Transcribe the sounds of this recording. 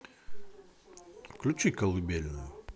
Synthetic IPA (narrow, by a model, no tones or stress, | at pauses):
klʲut͡ʃikɐlˠɨbʲelʲnʊjʊ